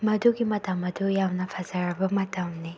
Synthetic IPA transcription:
mɐduɡimɐtamɐdujawnɐpʰɐzaɾɐbɐmɐtɐmni

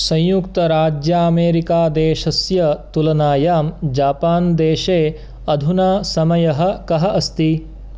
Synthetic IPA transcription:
sɐ̃jjukt̪ɐɾaːd͡ʒjaɐmeːɾikaːd̪eːʃɐsjɐt̪ulɐnaːjaːmd͡ʒaːpaːnd̪eːʃeː | ɐd̪ʱunaːsɐmɐjɐɦɐ̆kɐɦɐʔɐst̪i

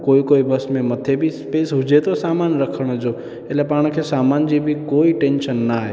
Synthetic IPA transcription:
koikoibəsmẽməd̪ʱjebʱispesɦud͡ʒet̪osamanɾəkʰəɽ̃od͡ʒo | elepaɽ̃kʰesamand͡ʒibʱikoiʈensənːəaae

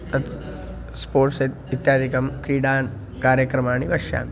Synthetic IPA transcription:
ɐt̪ | spoːʈset̪it̪jaːd̪ʱikɐmkɾiːɖaːn | kaːɾjɐkɾɐmaːɳiʋɐʃja̰ːm

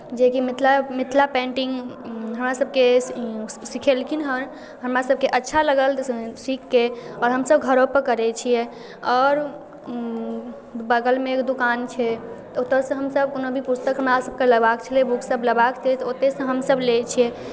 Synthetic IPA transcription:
d͡ʒekimit̪ʰlamit̪ʰlapɛ̃ɳʈiŋɡɦəmɾasəb̚ke | sikʰelkʰinɦəɾ | ɦəmɾasəb̚keʔətːʃʰaləɡəlsikːeɔːɾɦəmsəbɡʱəɾopəkəɾɛt͡ʃʰijɛ | ɔːɾ | bəɡəlmẽkd̪ukant͡ʃʰɛt̪ot̪əɾsə̃ɦəmsəb̚konobʱipust̪əkɦəmɾasəb̚keləɡbakt͡ʃʰəlebuksəbləɡbakt͡ʃʰɛt̪ɔot̪esə̃ɦəmsəblet͡ʃʰijɛ

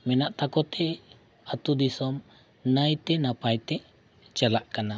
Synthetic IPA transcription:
mɛnaʔt̪akɔt̪ɛ | at̪ud̪isɔm | najt̪ɛnapajt̪ɛʔ | t͡ʃalaʔkana

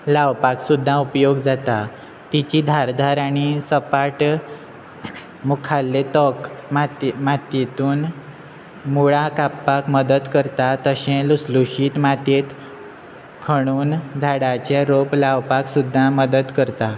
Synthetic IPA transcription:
laʋpaksud̪ʱːãupjoɡd͡zat̪a | t̪it͡ɕiːd̪ʱaɾd̪ʱaɾaɽ̃isəpaʈ | mukʰalːet̪ɔkmamat̪et̪uːn | muɭakapːakməd̪əd̪kəɾt̪at̪əɕɛ̃lusluɕiːt̪mat̪et̪ | kʰəɽ̃uːnd͡zʱaɽat͡ɕaɾoplaʋpaksud̪ʱːãməd̪əd̪kəɾt̪a

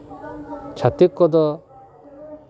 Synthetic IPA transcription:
t͡ʃʰat̪ikːɔd̪ɔ

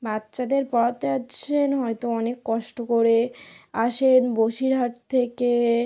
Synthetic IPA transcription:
bat̪ːɕad̪eɾpɔt̪eat͡ɕʰenɦɔjt̪oɔnekːɔʃʈokoɾeaʃenboʃiɾɦaʈt̪ʰeke

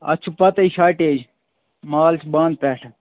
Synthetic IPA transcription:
ɐ̰t͡ʃʰupɐt̪ɐiʃaːʈeːd͡ʒ | maːlt͡ʃʰbaːnd̪̚pɛːʈʰ

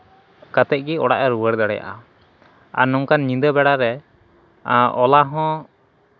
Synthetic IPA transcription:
kat̪ɛʔ̚ˀɡiɔɽa̰ʔɛɾuwəɽd̪aɽɛ̰ja̰ʔa | a̰ɾnɔŋkanɲĩnd̪əbɛɽaɾɛ | ɔlaɦɔ̃

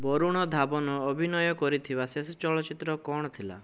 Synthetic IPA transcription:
bɔɾuɽ̃ɔd̪ʱabɔnɔːbʱinɔjɔkɔɾit̪ʰibasesɔt͡ʃɔlɔt͡ʃit̪ɾɔkɔɽ̃ɔt̪ʰila̰

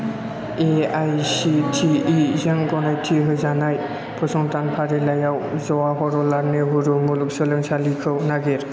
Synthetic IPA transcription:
eajsitʰiizeŋɡɔnajtʰiɦɯjzanaj | pʰɔsɔŋtanpʰaɾilajawzɔwaɦɔɾɔlaɾneɦuɾumuluk̚sɯlɯŋsalikʰɯwnaɡeɾ

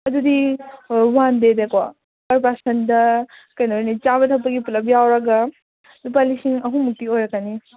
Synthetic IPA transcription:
ɐdudi | wandedekwa | kɐɾpasɐndɐkɐjnɐojnit͡ʃaβɐtʰɐpːɐɡipulɐp̬jawɾɐɡɐ | nup̬alisiŋɐɦũmuk̚tiojɾɐkani

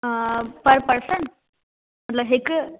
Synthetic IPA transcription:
pəɾpəɾsəɳʈ | m̤ət̪lɐɦek

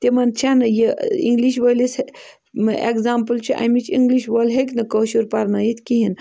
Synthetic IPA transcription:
t̪emant͡ʃʰanɐjeḭŋɡliʃʋɐlʲis | ḛkzaːmpəlt͡ʃʰiʔa̰mit͡ʃʰiŋɡliʃʋolɦekʲnɨkoːʃuɾpaɾnajit̪ʰʲkʲiɦin

